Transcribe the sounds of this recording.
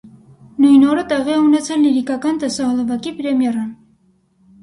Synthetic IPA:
nujnɔɾət̪ɛʁiɛunɛt͡sʰɛlːiɾikɑkɑnt̪ɛsɑɦɔləvɑkipɾɛmjɛrɑn

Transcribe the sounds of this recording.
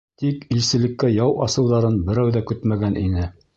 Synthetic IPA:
t̪ikilsɘ̆lɘ̆kːæjɑwʔɑsɤ̆wðɑɾɤnbɘ̆ɾæwðækɵt̪mæɡænʔḭnɘ

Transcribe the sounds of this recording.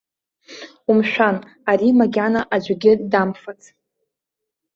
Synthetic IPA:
umʃᶣan | aɾimaɡʲanaʔad͡ʒʷɡʲɪdamfat͡sʰ

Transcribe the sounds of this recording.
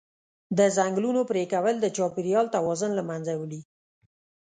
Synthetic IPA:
d̪əzaŋɡlunopɾekawəld̪ət͡ʃɑpiɾijɑlt̪awɑzʊnlamanzawəli

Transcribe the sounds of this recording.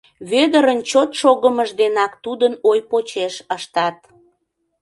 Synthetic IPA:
βød̪əɾənt͡ɕot̪ʃoɣəməʒd̪enɑkt̪ud̪ənojpot͡ɕeʃəʃt̪ɑt̪̚

